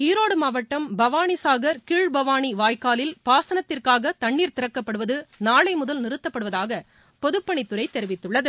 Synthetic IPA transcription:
hiːɾoːɽɯmɐʋɐʈːɐmbɐʋaːɳisaːɣɐɾkɪɻbɐʋaːɳiʋaːjkaːlɪlpaːsɐnɐt̪ːɪrkaːɣɐt̪ɐɳːiːɾt̪ɪɾɐkːɐpːɐɽɯʋɐðɯnaːɭɐɪmʊðɐlnɪɾɯt̪ːɐpːɐɽɯʋɐðaːɣɐ | pɔðɯpːɐɳɪt̪ːɯɾɐɪt̪ːɛɾɪʋɪt̪ːɯɭːɐðɯ

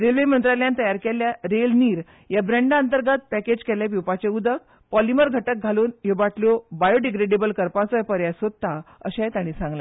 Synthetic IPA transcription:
ɾelʋemənt̪ɾaljant̪əjaɾkeljaɾelniːɾ | jabɾẽɳɖənt̪əɾɡat̪̚pæked͡ʑkɛljapjuwpat͡ɕeud̪ək̚ | pɔliməɾɡʱəʈək̚ɡʱaluːnjoʋaʈʰlobajoɖiɡɾeɖebəlkəɾpãt͡sɔjpəɾjasod̪̚t̪ːaəɕajet̪ãɽ̃iːsãŋɡla

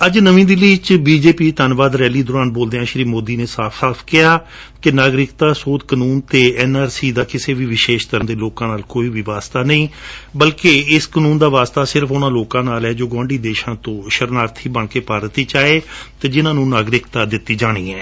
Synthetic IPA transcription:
əd͡ʒnəʋĩːd̪ɪliːt͡ʃbiːd͡ʒeːpiːt̪ənʋaːd̪ɾɛːliːd̪ʊːɾaːnboːld̪eːãːʃɾiːmoːd̪iːneːsaːpʰsaːpʰkɪɦaː | kɪnaːɡɾɪkt̪aːsoːd̪kənuːnt̪eːɛːnaːɾsiːd̪aːkɪseːʋiːʋɪʃeːʃt̪əɾənd̪eːloːkãːnaːlkoːiːʋiːʋaːst̪aːnəĩːbəlkeːɪskənũːnd̪aːʋaːst̪aːsɪɾəpʰʊnãːloːkãːnaːlɛːd͡ʒoːɡãːɳɖiːd̪eːʃãːt̪õːʃəɾnaːɾt̪ʰiːbəɳkeːpaːɾət̪iːt͡ʃaːeːt̪eːd͡ʒɪnãːnũːnaːɡɾɪkt̪aːd̪ɪt̪ːiːd͡ʒaːɽ̃ḭːɛː

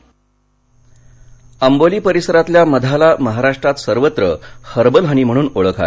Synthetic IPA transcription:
əmboliːpəɾisəɾat̪ljaməd̪ʱalaməɦaɾaʂʈɾat̪səɾʋət̪ɾə̰həɾbəlɦəɽ̃im̤əɽ̃uːnoɭəkʰa̰

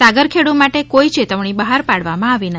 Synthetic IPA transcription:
saɡəɾkʰeɽumaʈekoit͡ʃet̪əʋɳ̃ibəɦaɾpaɽʋamãaʋinə

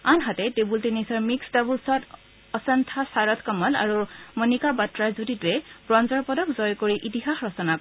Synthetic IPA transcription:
anɦatɛtebultinisɔɹmiksdabulsɔt | ɔsantʰasaɹɔt̪ʰkɔmɔla̰ɹumɔnikabatɹaɹzuditʊɛbɹɔnzɔɹpɔdɔkzɔjkoɹiʔitiɦaxɹɔsɔna

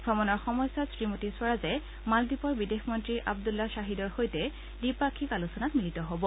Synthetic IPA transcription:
ɡʱɔmɔnɔɹxɔmɔjsɔtsɹimotiswaɹazɛ | maldipɔɹbidexʰmɔntɹiʔa̰bdulːasaɦidɔɹxojtɛ | dipakʰikalusɔnatmilitɔɦobɔ

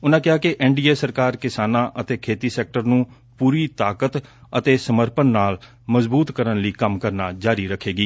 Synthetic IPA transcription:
ʊnãːkɪɦaːkɪʔɛːɳɖiːeːsəɾkaːɾkɪsaːnãːʔət̪eːkʰeːt̪iːsɛːk̚ʈəɾnũː | puːɾiːt̪aːkət̪ət̪eːsəməɾpənːaːl | məzbuːt̪kəɾənliːkəmkəɾnaːd͡ʒaːɾiːɾəkʰːeːɡiː

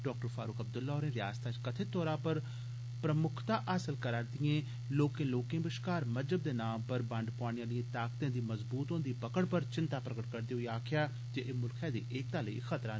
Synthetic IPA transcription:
ɖɔːkʈəɾfʰaːɾʊːkəb̚d̪ʊlːɔːɾẽːɾɪjaːst̪aːt͡ʃkət̪ʰet̪ɔːɾãːpəɾ | pɾəmʊkʰt̪ãːʔaːsəlkəɾaːɾd̪ɪjẽː | loːkẽːloːkẽːbɪʃkaːɾməd͡ʒəb̚d̪eːnãːmpəɾbə̃ɳɖpʊaːɽ̃ɪjãːlɪẽːt̪aːk̚t̪ẽːd̪iːməzbuːt̪ɦõːnd̪iːpəkəɽpəɾt͡ʃɪnt̪aːpɾəkəʈkəɾd̪iːʊiaːkʰɪjaː | t̪eʔeːmʊlkʰɛ̃ːd̪ḭːʔeːk̚t̪ãːləḭːxʰət̪ɾãː

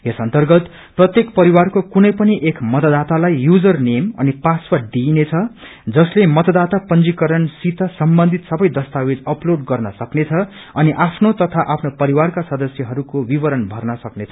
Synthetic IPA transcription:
jesʌnt̪ʌrɡʌt̪ | prʌt̪jekpʌɾiwarkokunʌjpʌniʔekmʌt̪ʌd̪at̪alajːud͡zʌrnemʌ̰nipaswʌd̪inet͡sʰʌ | d͡zʌslemʌt̪ʌd̪at̪apʌnd͡zikʌɾʌnsit̪ʰʌsʌmbʌnd̪ʱit̪sʌbʌjd̪ʌst̪awed͡zʌploɖɡʌrnʌsʌknet͡sʰʌ | ʌniʔapʰnot̪ʌt̪ʰaʔapʰnopʌɾiwarkasʌd̪ʌsjʌɦʌɾukobibʌɾʌnbʱʌrnʌsʌknet͡sʰʌ̥

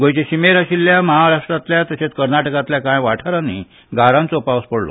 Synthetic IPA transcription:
ɡojt͡ɕeɕimeɾaɕilːjaməɦaɾaʂʈɾat̪ljat̪əɕet͡skəɾnaʈəkat̪ljakãjʋaʈʰaɾanḭ | ɡʱaɾãnt͡sopaʋəspəɽlo̰

